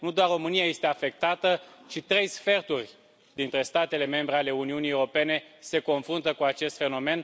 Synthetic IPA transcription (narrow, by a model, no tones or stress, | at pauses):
nud̪owarro̞mɨnijaje̞st̪e̞afe̞k̚t̪at̪ət͡ʃit̪ɾe̞jsfe̞rt̪urʲ | d̪int̪ɾe̞st̪at̪e̞le̞me̞mbɾe̞ale̞uniunijewɾo̞pe̞ne̞se̞ko̞nfɾunt̪əkuat͡ʃe̞st̪fe̞no̞me̞n